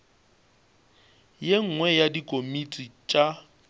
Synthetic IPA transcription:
jeŋ̩ŋwɛjadikʼomit͡sʼit͡ʃʼa

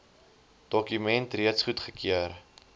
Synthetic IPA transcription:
d̥ɔkymɛntriətsχutχəkʰiər

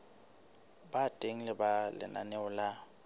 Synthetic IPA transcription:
batʼeŋ̩lɪbalɪ̰na̰nɛʊla

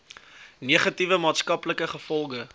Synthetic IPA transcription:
niəχɐtivəmɑːtskɐpləkəχəfɔlˠχə

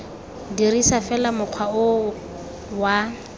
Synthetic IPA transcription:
dirisafɛlamʊq͡χʰwaʊ | wa

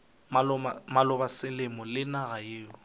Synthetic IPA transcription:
mamalʊbasɪlɪmɔlɪnaɣajeːʊ

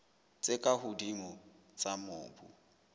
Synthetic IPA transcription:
t͡sʼɪkʼahʊdimɔ | t͡sʼamʊːbṵ

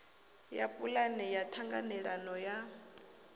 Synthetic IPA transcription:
ja̰pʼulanɛjatʰaŋɡa̰nɛɺanɔja

